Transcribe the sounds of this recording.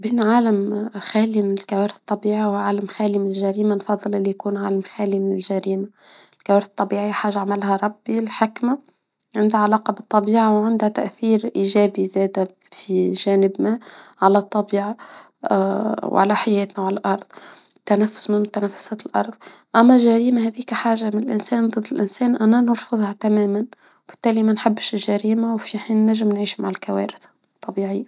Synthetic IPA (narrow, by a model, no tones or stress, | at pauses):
biːnʕaːlamxæːlimɪnɪlkawaːɾθt̪ˤːɑbiːʕiwʕaːlamxæːlimɪnɪlʒæɾiːmanfɑðˤːɨlʔɪlːijkuːnʕaːlamxæːlimɪnɪlʒaɾiːma | lkawaːɾθt̪ˤːɑbiːʕijħaːʒːaʕamalhaɾˤɑbːilħɪkma | ʕɪnd̪haʕalɑːqɑbɨt̪ˤːɑbiːʕawʕɪnd̪hat̪a̰ʔθiːɾʔiːʒæːbizæːd̪a | fiʒæːnɪbnaʕalæt̪ˤːɑbiːʕa | wʕa̰læħajɛːt̪næwʕalælʔɑɾˤðˤ | t̪ːænæfːʊ̥smɪnmʊt̪ænæfːʊ̥sæːt̪lʔɑɾˤðˤ | ʔæmːæʒæɾiːmahæðiːkæħaːʒːamɪnɪlʔɪnsæːnd̪ˤɨd̪ːɪlʔɪnsɛːnʔænænɑɾˤfʊðˤhæt̪æmæːmæn | bɪ̥t̪ːæːlimænħabːʃɪlʒæɾiːmawfiħiːnːæʒːɪmnʕiːʃmaʕalkæwæ̰ːɾɪθ | t̪ˤːɑbiːʕɪjːa